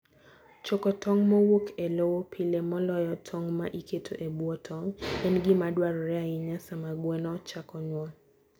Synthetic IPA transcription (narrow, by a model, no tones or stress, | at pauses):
t͡ʃɔkɔtɔŋmɔwokʰelowopʰilemɔlɔjɔtʰɔŋmaʔikʰetʰoʔebuɔtʰɔŋɛnɡɪmadwaɾɔɾɛaɪɲasamaɡwɛnɔt͡ʃakɔɲwɔŋ